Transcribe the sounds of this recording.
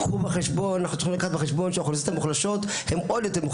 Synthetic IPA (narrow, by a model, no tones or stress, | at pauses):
ubeχeʃbo̞nanaχut͡sixilakaχat̪beχeʃbo̞nʃeχlosot̪amuχlaʃot̪ | hemʔod̪jot̪emu